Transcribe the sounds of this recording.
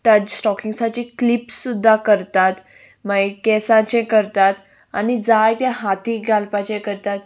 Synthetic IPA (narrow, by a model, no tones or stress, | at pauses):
ʈəd͡ʑsʈɔkiŋsat͡ɕiklipsːud̪ʱːakəɾt̪at̪ | maikɛsãt͡ɕẽkəɾt̪at̪ | a̰nid͡zajt̪ẽɦat̪iɡʱalpat͡ɕẽkəɾt̪at̪